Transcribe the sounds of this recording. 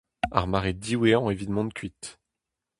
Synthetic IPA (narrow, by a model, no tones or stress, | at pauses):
a̰ʁmaʁed̪iweɑ̃evid̪mɑ̃nkʰɥit̪